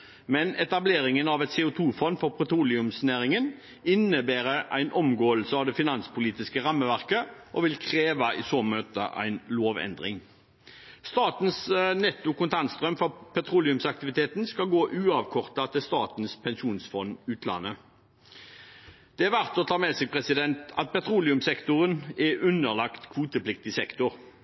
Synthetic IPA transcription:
mɛnɛt̪ɑbleːʁɪŋənɑʋɛt̪seːʊt̪ʰuːfɔnːfɔʁpʰʁɛt̪ʁuːlɪʉmsnæːʁɪŋən | ɪnːəbæːʁəʔæ̰ɪnʔɔmɡoːəlsəɑʋd̪ɛfɪnɑnspʰʊliːt̪ɪskəʁɑmːəʋæʁkəʔɔʋɪlkʰʁeːʋɑʔɪsoːmøːt̪ə̰ʔæ̰ɪnloːʋɛ̰nd̪ʁɪ̰ŋ | st̪ɑːt̪nsnɛt̪ːʊkʊnt̪ʰɑnst̪ʁœmfɔpʰɛt̪ʰʁuːlɪʉmsɑk̚t̪ɪʋɪt̪ʰeːt̪nskɑlɡoːʔʉːɑʋkʰɔʁt̪ɑt̪ʰɪlst̪ɑːt̪nspʰɛnʃuːnsfɔnʉːt̪ʰlɑ̰nːə | d̪̥ɛæʁʋæʁt̪ɔt̪ʰɑːmɛsɪɡpʰʁɛsɪd̪ɛnt̪ɑt̪̚pɛt̪ʰʁuːlɪʉmsɛkt̪ʊʁənɛʉnːəʁlɑkt̪kʰʋuːt̪əplɪk̚t̪ɪsɛkt̪ʊʁ

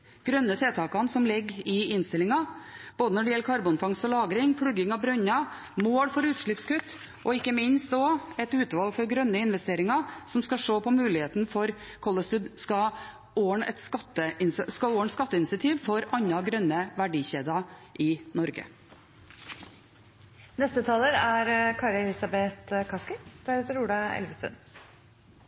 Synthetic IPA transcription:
ɡ̥ɾœnːət̪ʰeːt̪ʰɑːkɑnsɔmlɪɡːɪɪnst̪ɪlɪŋɑb̥oːd̪ənɔɖəjɛlːəkʰɑɾbʊnfɑŋst̪ɔlɑːɡɾɪŋpʰɽʉɡɪŋɑbɾʉɲːɑ | moːɽfɔɾʉːt̪ʂɭɪpskʉt̪ː | ʔɔɪkːəmɪnst̪ɔɛt̪ʉːt̪ʋɑlɡfɔɾɡɾœnːəɪnʋɛst̪eːɾɪŋɑsɔmskɑʂoːpʰɔmʉːlɪheːt̪n̩fɔɾ | kʰɔlːəst̪ʉd̪skɑ | oːɳɛt̪skɑt̪ːəɪnsskɑoːəɳskɑt̪ːəɪnɪsɪɑt̪ʰiːʋfɔɾɑɲːɑɡɾœnːəʋæɖiːçeːd̪ɑʔɪnɔɾɡə̰ | nɛst̪ət̪ʰɑːləɾæɾkʰɑːɾɛlɪsɑbet̪kʰɑskəd̪̥æɾʉt̪əɾuːɖɑɛ̰lʋəst̪ʉ̰n

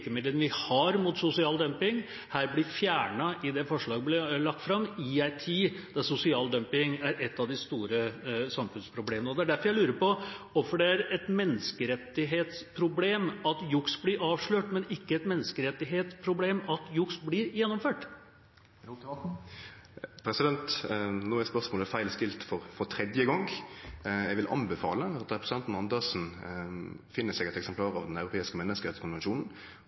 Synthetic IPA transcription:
kəmɪd̪lənʋɪhɑɾmʊt̪sʊsɪɑːld̪œmpɪŋ | hæːɾblɪfjæːɳɑʔɪd̪ɛfɔʂɭɑːɡblɪlɑk̚t̪fɾɑmːiæɪt̪ʰiːd̪̥ɑsʊsɪɑːld̪œmpɪŋæɾɛt̪ːɑʋd̪ɪst̪uːɾəsɑmfʉnspʰɾʊbleːmənəɔd̪ɛæɖæfɔɾjæɪlʉːɾəpɔɔfɔɖɛæɾɛt̪mɛnːəskəɾɛt̪ːɪɦeːt̪spʰɾʊbleːmɑt̪jʊksblɪɾɑːʋʂɭøːʈmɛnɪkːəɛt̪mɛnːəskəɾɛt̪ːɪɦeːt̪spʰɾʊbleːmɑt̪jʊksblɪɾjɛnːɔmføːʈ | pʰɾɛsɪd̪ɛnt̪nuːæspœʁsmoːlæfæɪlst̪ɪlt̪fɔɾfɔɾt̪ʰɾɛd̪jəɡɑŋɡ | jɛɡʋɪlʔɑ̰nbəfɑ̰ːləɑt̪̚ɛɛpʰɾɛsɪd̪ɛnt̪n̩ɑnd̪əsn̩ | fɪnːəsɛɡɛt̪ɛksɛmplɑːɾɑʋd̪ɛnɑʉɾʊpʰeːɪskəmɛnːəskəɾɛt̪skʰʊnʋɛnʃuːnn̩

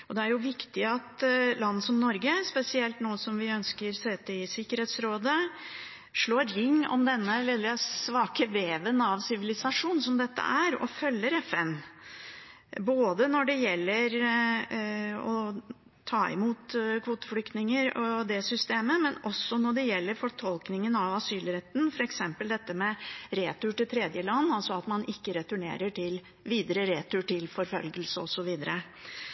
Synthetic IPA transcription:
ɔd̪ɛæɾjʊʋɪkt̪ɪɑt̪lɑnːəsɔmnɔɾɡəspɛsɪɛlt̪nuːəsɔmʋɪœnskəɾseːt̪ːəɪɪsɪkːəɾheːt̪sɾoːd̪ə | ʂɭoːɾɾɪŋːɔ̰md̪ɛnːəlɪd̪ɾɛsʋɑːkəʋeːʋənɑʋsɪʋɪlɪsɑʂuːnsɔmd̪ɛt̪ːə̰ʔæɾɔ̰fœlːəɾɛfɛn | boːd̪ənɔɖɛjɛlːəɾ | ɔ | t̪ʰɑːɪ̰muːt̪kʰʋuːt̪ə̥flʏkt̪nɪŋəɾɔd̪ɛsʏst̪eːməmɛnɔsːɔnɔɖɛjɛlːəɾfɔʈʰɔlknɪŋənɑʋɑsyːlɾɛt̪ːnfɔɾɛksɛmpəld̪ɛt̪ːəmɛɾeːt̪ʊʈɪlt̪ʰɾeːd̪jəlɑnːɑlsɔɑt̪mɑnʔɪkːəɾɛt̪ʉɳḛːɾəʈʰɪl | ʋiːd̪əɾəɾeːt̪ʊʈɪlfɔɾfœ̰lɡəlsəɔsɔʋiːd̪əɾə

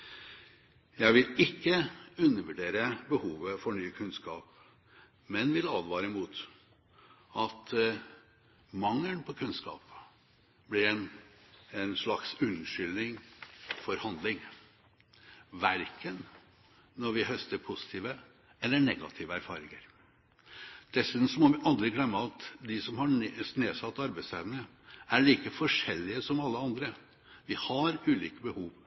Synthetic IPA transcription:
jæɪʋɪlɪkːəʉnːəɾʋʉɖeːɾəbəhuːʋəfɔɳyːkʰʉnskɑːp̚ | mɛnʋɪlɑːd̪ʋɑːɾəmuːt̪ | ɑt̪ | mɑŋːənpʰɔkʰʉnskɑ̰ːp | blɪɾɛn | ɛnʂɭɑksʉnʂʏlnɪŋfɔɾhɑnd̪lɪŋ | ʋæɾkən | nɔɾʋɪhœst̪əɾpʰʊsɪ̥t̪ʰiːʋə | ɛlːəɳɛɡɑ̰t̪ʰiːʋəæɾfɑ̰ːɾɪŋəɾ | d̪̥ɛsʉːd̪ənsɔmɔʋɪʔɑld̪ɾɪɡlɛmːəɑt̪d̪ɪsɔmhɑneːsɑt̪ːɑɾbæɪst̪ʰæːʋənə | æɭiːkəfɔʂɛlːɪəsɔmɑlːəɑnd̪ɾə | ʋɪhɑɾʉːliːkəbəhuːʋ

